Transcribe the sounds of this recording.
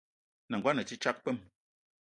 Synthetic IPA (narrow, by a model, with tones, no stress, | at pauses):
na˨ɡwa˦nə˨t͡ʃi˦t͡ʃa˦k̚pɛ˦˨m